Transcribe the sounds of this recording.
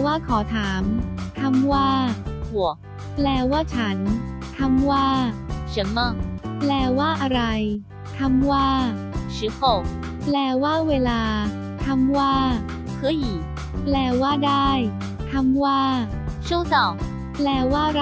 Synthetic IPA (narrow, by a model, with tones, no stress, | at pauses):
waː˥˩kʰɔː˩˦t̪ʰaː˩˦mt̪ʰa˧mwaː˥˩hu˨˩ək̚ | plɛː˧waː˥˩t͡ɕʰa˦˥nt̪ʰa˧mwaː˥˩sɯ˨˩˦mɤ˧˩ŋplɛː˧˩waː˥˩ʔa˧ɾa˧j | t̪ʰa˧mwaː˥˩ | sɯː˩˦hʰo˨˩k̚ | plɛː˧waː˥˩weː˧laː˧ | t̪ʰa˧mwaː˥˩ | kʰɤː˧˥˩jʔiː˨˩ | plɛː˧˩waː˥˩daː˥˩j | t̪ʰa˧mwaː˥˩ | t͡ɕʰu˥˩˨sɔ˨˩ | plɛː˧waː˥˩ɾ